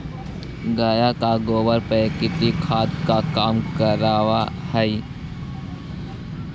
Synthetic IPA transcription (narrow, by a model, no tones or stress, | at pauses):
ɡaːjakaɡoːwəɾpəkɪt̪ikʰaːt̪̚kakaːmkəɾaːʋahəi